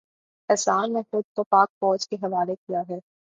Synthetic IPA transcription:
ɛsaːnnẽxʊd̪̚kopaːk̚fɔːd͡ʒkeɦɐʋaːlekijaɦɛː

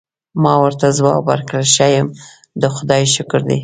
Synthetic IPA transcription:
mɑwəɾt̪azwɑwa̰ɾkɽaʃajəm | d̪əxʊd̪ɑjʃʊkʊɾd̪ḛ

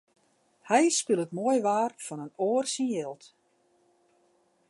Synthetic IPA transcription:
hɛjskylˠətmoəjʋaːrfɔnənoːrsinjɛlˠt

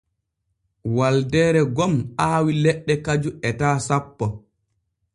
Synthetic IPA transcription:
waldɛːɾɛɡɔmaːwilɛɗːɛkad͡ʒuɛtaːsapːɔ

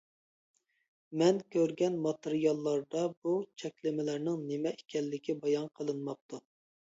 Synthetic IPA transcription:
mɛnkʲʰøɾɡʲɛnmɑt̪ɨɾijɑlˠːɑɾd̪ɑbut͡ʃʰɛkʲlɪmɪlæɾnɪŋnɪmɛekʲʰɛlːɪkʲibɑjɑnqʰəlˠɨnmɑp̚t̪ʰu

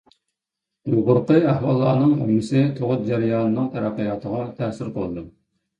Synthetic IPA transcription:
joʁʊɾqəæhwɑlˠːɑːnɨŋṵmɨsɨt̪ʰoʁʊt̪̚d͡ʒæɾɪjɑːnɨnɨŋt̪ʰæɾæqːəjɑːt̪ʰəʁɑt̪ʰæsɪɾqʰolˠɨd̪u

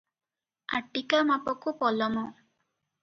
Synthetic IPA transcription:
aʈikamapɔkupɔlɔmɔ

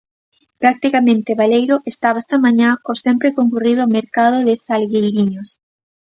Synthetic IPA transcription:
pɾak̚t̪ikamẽnt̪eβalejɾʊʔest̪aβaest̪ɐmãɲãkosɛmpɾekoŋkuriðomeɾkað̞oðɪsalɣejɾiɲos

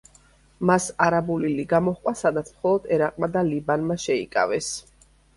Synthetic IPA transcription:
masaɾabuliliɡamɔχkʼwasad̪at̪sʰmχɔlˠɔd̪ɛɾaqʼmad̪alibanmaʃɛḭkʼa̰vɛs

